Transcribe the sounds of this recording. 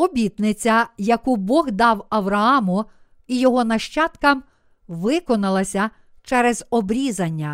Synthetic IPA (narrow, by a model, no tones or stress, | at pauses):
ɔbʲit̪nɪt͡sʲɐjɐkubɔɣd̪ɑwɐwɾɐɑmʊ | ijɔɦɔnɐʃt͡ʃɑt̪kɐm | ʋɪkɔnɐlˠɐsʲɐ | t͡ʃɛɾɛzɔbɾʲizɐnʲːɐ